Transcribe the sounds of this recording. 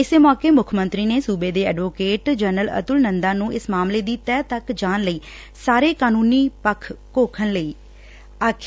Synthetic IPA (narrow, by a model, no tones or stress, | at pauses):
ɪsemɔːkeːmʊkʰmənt̪ɾiːneːsuːbeːd̪eːɛ̰ːɖʋoːkeːʈd͡ʒənələ̰t̪ʊlnənd̪aːnũːɪsmaːmleːd̪iːt̪ɛːt̪əkd͡ʒaːnləiː | saːɾeːkaːnũːniːpəkʰːoːkʰənləiː | aːkʰ